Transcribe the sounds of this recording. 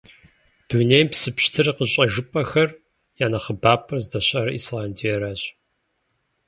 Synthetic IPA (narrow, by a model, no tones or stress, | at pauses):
d̥unejpsɨpɕtʰɨrqəɕʼɐʒɨpʼɐxɐr | jaːnɐχəbaːpʼɐrzdɐɕʼɐɾɐʔḭːslaːndijɛɾaːɕʼ